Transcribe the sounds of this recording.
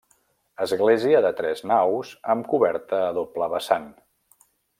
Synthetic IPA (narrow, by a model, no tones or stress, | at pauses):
əzɣleziəðət̪ɾɛznawzəmkuβɛɾt̪əːðopləβəsan